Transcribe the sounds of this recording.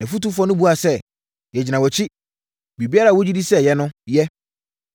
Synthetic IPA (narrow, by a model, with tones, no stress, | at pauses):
ɛ˨fu˦tu˦fɔ˦nʊ̃˦bu˦a˨sɛ˦ | jɛ˨d͡ʑɪ˨nã˨wɔ˨t͡ɕʰi˦ | bi˨bi˦a˦ɾa˨wo˦d͡ʑi˦di˦sɛ˦jɛ˦nʊ̃˦jɛ˦